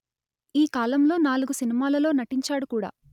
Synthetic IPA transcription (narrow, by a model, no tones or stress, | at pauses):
iːkaːlɐmlo̞ːnaːluɡusinimaːlɐlo̞ːnɐʈiɲt͡ʃaːɽukuːɽa̰ː